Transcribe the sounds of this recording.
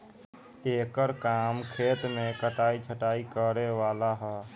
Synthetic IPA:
eːkəɾkaːmkʰeːt̪mẽkəʈaːit͡ʃʰəʈaːikəɾeʋaːlaɦɛ

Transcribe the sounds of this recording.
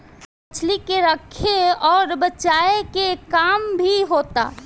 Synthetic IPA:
t͡ʃʰlikeɾəkʰeɔːɾbət͡ʃaːekekaːmbʱiɦoːt̪a̰ː

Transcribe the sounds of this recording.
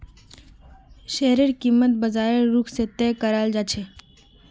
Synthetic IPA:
ʃeːɦɾeɾkimːət̪̚bəzaːeɾːuːkʰset̪ɛkəɾaːld͡ʒaːt͡ʃʰeː

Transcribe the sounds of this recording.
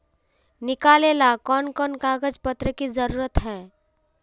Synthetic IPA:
nɪkaːleːlakɔːnkɔːnkaːɡəd͡ʒpət̪ɾəkizəɾuːɾət̪ɦɛː

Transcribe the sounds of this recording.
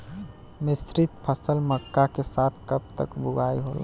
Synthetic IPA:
mɪsɾit̪pʰəsəlməkːakesat̪ʰkəp̚t̪əkbuɡaiɦo̰l

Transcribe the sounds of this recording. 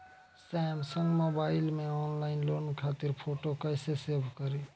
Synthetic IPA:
sɛmsəŋɡmobaɪlmeɔnlainlonkʰat̪iɾpʰoʈokəɪsesebʱkəɾi

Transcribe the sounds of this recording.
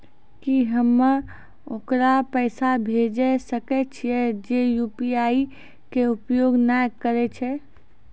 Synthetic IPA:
kiɦəmːəɾ | okɾapəɪsabʱed͡ʒɛsəkɛt͡ʃʰijɛd͡ʒejupiai | keupjoɡnajkəɾɛt͡ʃʰɛ

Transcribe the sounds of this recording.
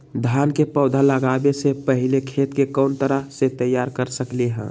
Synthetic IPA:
d̪ʱaːnkepəʊd̪ʱaləɡaːbesepəɦɪlekʰeːt̪kekɔːnt̪əɾəɦset̪əjːaːɾkəɾsəkleɦɛ̰̃

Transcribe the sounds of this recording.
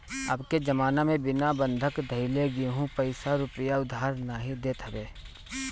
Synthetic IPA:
ɐ̰bked͡ʒɐmaːnamẽbɪnabə̃nd̪ʱəkd̪ʱəileɡiɦũpəɪsaɾʊpəjaʊd̪aːɾnaːɦid̪eːt̪ɦəbeː

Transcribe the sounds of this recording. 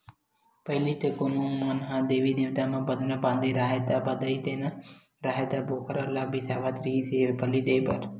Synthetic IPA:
pəɦɪliːt̪ekonũːmənɦãːd̪eːʋiːd̪ɪʋt̪aːmãːbəd̪nabãːnd̪iːɾaːɦet̪aːbəd̪aiːt̪eːna | ɾaːɦet̪aːbʱoːkəɾəlaːbiːsaːʋat̪ɾiːseːbəliːd̪eːbə̰ɾ

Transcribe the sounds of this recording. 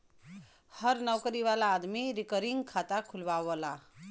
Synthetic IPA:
hʌɾnʌwkʌɾiβalaːd̪miɾikʌɾiŋɡkʰat̪akʰulbawʌla

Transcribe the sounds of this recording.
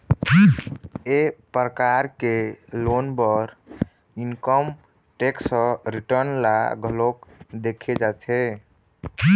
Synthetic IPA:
epɾəkaɾkelonbəɾ | inkəm | ʈeksə̃ɾiʈəɾnla̰ɡʱəlokd̪ekʰed͡ʒat͡ʃʰɛ

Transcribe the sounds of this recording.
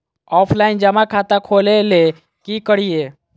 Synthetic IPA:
ɔːpʰlaːɪnd͡ʒəmakʰat̪akʰoːlele | kikəɽije

